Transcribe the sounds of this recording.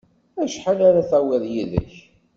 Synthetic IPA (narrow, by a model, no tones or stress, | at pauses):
æʃħalaɾaθæwæðjiðæ̰ç